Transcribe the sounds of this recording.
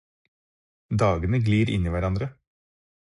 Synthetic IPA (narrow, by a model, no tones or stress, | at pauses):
d̪ɑːɡənəɡliːɾʔɪ̰niːʋæɾɑnd̪ɾə